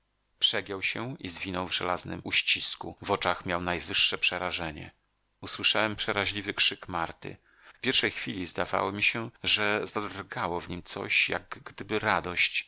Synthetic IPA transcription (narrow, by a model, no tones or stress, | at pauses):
pʂɛɡʲjɛwɕɛizvʲinɔwvʐɛ̰laznɘ̰muɕt͡ɕiskṵvɔt͡ʂaxmʲjawnajvɘʂːɛpʂɛɾaʐɛɲɛ̰ | uswɘʂawɛmpʂɛɾaʑlʲivɘkʂɘkmaɾt̪ɘ̰ | fpʲjɛɾʂɛjxfʲilʲizd̪ava̰wɔmʲiɕɛʐɛzad̪rɡawɔvɲimt̪sɔ̰ɕja̰ɡɡd̪ɘbɘɾad̪ɔɕt͡ɕ